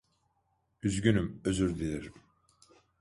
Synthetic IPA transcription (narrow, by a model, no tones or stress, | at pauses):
yzɡynymøzyɾd̪iliɾ